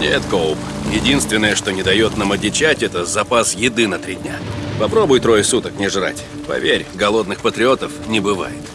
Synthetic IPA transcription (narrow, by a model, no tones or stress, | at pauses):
nʲḛt̪kolˠp | jɪdʲinst̪vʲɪnːəjəʂt̪o̞nʲɪd̪ɐjo̞t̪namɐdʲɪt͡ɕætʲɛt̪əzɐpasjɪd̪ɨnɐt̪ɾʲidʲnʲapɐpɾo̞bʊjt̪ɾo̞jɪsut̪əknʲɪʐra̰tʲ | pɐ̰vʲeɾʲɡɐlˠo̞d̪nɨxpət̪ɾʲɪo̞t̪əfnʲɪbɨva̰jɪt̪